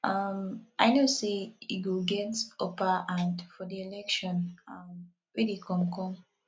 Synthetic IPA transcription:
ʔamaɪnoseitwuɡɛtopaãndfɔdielɛkʃɔ̃nam | wedekɔ̃mkɔ̃m

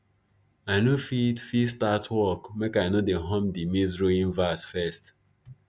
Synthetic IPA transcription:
aɪnofitfistatʰwɔkmekajnodẽɦɔ̃mdimisɹoĩnvasfɛst

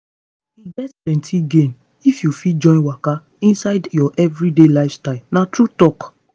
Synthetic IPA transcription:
iɡɛtplɛ̃ntʰiɡẽn | ifjufid͡ʒɔ̃ɪ̃nwaka | ĩnsaɪdjɔʔɛvɹidelaɪvstaɪlnatɾutɔk

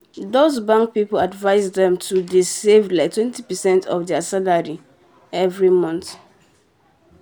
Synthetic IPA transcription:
dozbãŋk̚pipoladvaɪzdɛ̃mtʰudisevlaɪk̚tʰwɛ̃ntipɛsɛ̃ntʰɔfdɛasalaɹi | ɛvɹimɔ̃nθ

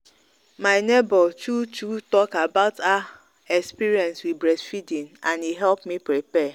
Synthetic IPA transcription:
maɪnebɔt͡ʃut͡ʃutɔkabaʊta | ɛkspiɾiɛ̃nswibɾɛsfidĩŋãniɦɛlpmipɾipɛ

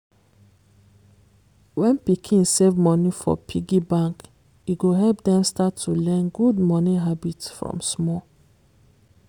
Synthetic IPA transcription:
wɛ̃npikʰĩnsevmɔnifɔ̰pʰiɡibãŋk | iɡoɦɛlp̚dɛ̃mstatʰːulɛ̃nɡudmɔniɦabitsfɹɔ̰̃msmɔ

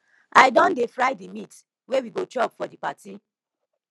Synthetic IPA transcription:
aɪjdɔ̃ndefɹaɪdemit | wewiɡod͡ʒɔbfɔdipati

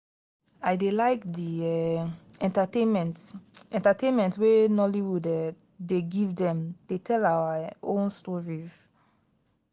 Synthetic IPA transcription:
aɪdelaɪkdiɛɛ̃ntatemɛ̃ntɛ̃ntatẽnmɛ̃ntwenɔliwudɛ | deɡivdɛ̃md̥etʰɛlaaʔõnstɔɹiz̥

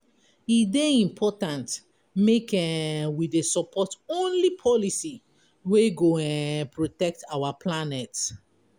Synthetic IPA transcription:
ideĩmpʰɔtãnt | mekɛ̃widesɔpʰɔtõnlipʰɔlisi | weɡoɛɛ̃npɹotɛk̚tawapʰlanɛt

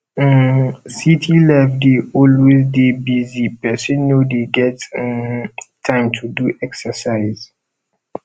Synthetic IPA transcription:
sitʰilɛfdeʔɔlwezdebizipɛsə̃nːodeɡɛt | tʰãɪ̃mtʰuduʔɛksəsaɪz̥

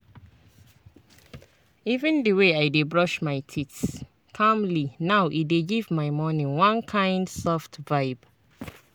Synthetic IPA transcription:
ivə̃ndəweajdebɹɔʃmaɪtʰits | kʰãmlinaʊʔideɡivmaɪmɔnĩwãnkʰãɪ̃ndsɔftvaɪb

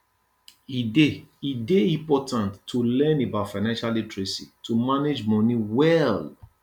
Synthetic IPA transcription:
ideideĩpɔtãntʰːulɛ̃nebaʊtfaɪnãnʃaletɹesitʰumaned͡ʒmɔ̃niwɛl

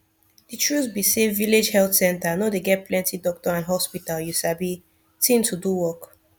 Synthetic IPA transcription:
ditʰɹusbiseviled͡ʒhɛltsɛ̃ntanodeɡɛt̚plɛ̃ntidɔk̚tɔãnɦɔspitaljuʃabi | tʰĩntʰuduwɔk

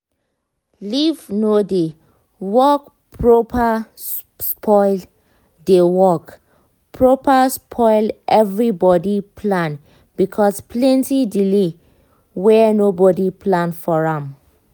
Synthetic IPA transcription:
livnode | wɔk | pɹopʰa | spʰɔɪl | dewɔk | pʰɹopaspʰɔɪlʔɛvɹibɔdipʰlãn | bikʰɔspʰlɛ̃ntidile | wɛnobɔdiplãnfɔɹãm

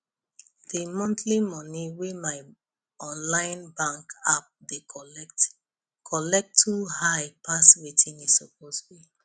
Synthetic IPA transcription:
d̥imɔ̃ntlimɔniwemaɪ | ɔ̃nlãɪ̃nbãŋkap̚dekɔt | kʰɔlɛk̚tʰːuhaɪpʰaswetʰĩŋiz̥ɔp̚ostbi

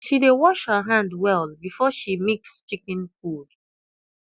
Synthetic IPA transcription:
ʃidewɔʃhəɦãndwɛlbifɔʃimikst͡ʃikɪ̃nfud̥

